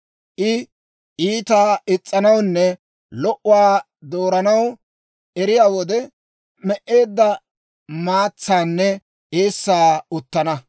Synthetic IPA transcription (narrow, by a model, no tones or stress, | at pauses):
ʔɪ | ʔiːt̪aːɪt͡sʼːɐnɐwnːɛ | lɔʔʊwaː | d̪o̞ːɾɐnɐw | ɛɾɪjaːwɔd̪ɛ | mɛʔːe̞ːd̪ːɐ | maːt͡sːaːnːɛ | ʔeːsːaːʊt̪ːɐnɐ